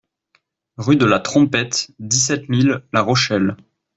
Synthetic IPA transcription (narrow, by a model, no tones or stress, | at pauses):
ʁyd̪əlat̪χɔ̃pɛt̪d̪is̬ɛt̪milːaʁɔʃɛl